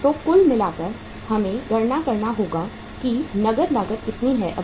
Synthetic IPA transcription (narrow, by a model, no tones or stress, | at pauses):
t̪oːkʊlmɪlaːkɐɾ | hɐmẽɡɐɽnakɐɾnaɦoːɡa | kinɐɡəɾnaːɡət̪kɪt̪niɦɛʔɐ